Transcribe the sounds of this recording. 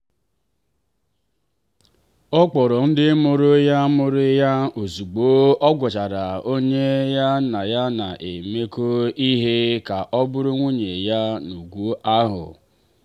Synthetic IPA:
ɔ˦k͡pɔ˨ɾɔ˨n̩˦dɪ˦mʊ˦˨ɾʊ˦ja˦mʊ˦ɾʊ˦ja˦o˨zu˨ɡ͡bo˦ɔ˦ɡʷʊ˨t͡ʃa˨ɾa˨o˦ɲe˦ja˦na˨ja˦na˨ʔe˨me˦ko˦i˦ɦe˦ka˨ʔɔ˦bʊ˦ɾʊ˦ŋʷu˦ɲe˨ja˦nu˨ɡʷu˦ʔa˦ɦʊ̰˨

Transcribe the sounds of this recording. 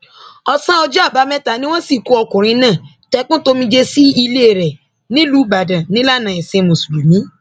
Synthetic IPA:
ɔ˧sã˦ɔ˧d͡ʒa˦˨ba˨˦mɛ̃˦ta˨nĩ˦w̃ɔ̃˦si˦˨ko˨˦ɔ˧kũ˨ɾ̃ĩ˧nãː˦˨ | tɛ˨˧˦k͡pũ˦to˧mĩ˧d͡ʒe˧si˦i˧le˦˨ɾɛ˨ | nĩ˦lu˨˦ba˨dã˨nĩ˦la˦˨nã˨ĩ˨sẽ˧mõ˨su˨lu˨mĩ˨˦

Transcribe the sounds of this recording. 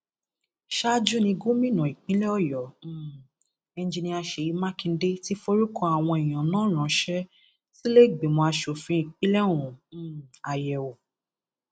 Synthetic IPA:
ʃa˦d͡ʒu˦nĩ˧ɡu˦mĩ˦nũ˨i˨k͡pĩ˨˦lɛ˦ɔ˦˨jɔ̃˨˦ | ɛ˧n˦d͡ʒi˧nĩ˧a˧ʃe˨ji˨˧˦mã˦kĩ˧n̩˦de˦ti˦fo˦ɾu˦kɔ̃˦˧˦a˨w̃ɔ̃˧i˨j̃ã˨nãː˨˦ɾ̃ã˨ʃɛ˦ | si˦le˦˨ɡ͡bi˨mɔ̃˧a˧ʃo˨fĩ˨˦i˨k͡pĩ˦lɛ̃˦ũ˨˦a˨jɛ˨o˨

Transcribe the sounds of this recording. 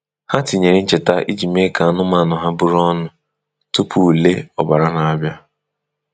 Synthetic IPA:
ha˦ti˨ɲe˨ɾɪ˦n̩˦t͡ʃe˨ta˦ʔi˦d͡ʒi˨me˦ka˨a˨˦nʊ˦ma˨nʊ˨ɦa˦bʊ˦ɾɔ˦nʊ˦ | tʊ˦pʰu˨le˦ɔ˨ba˨ɾa˦na˨a˦bja˦

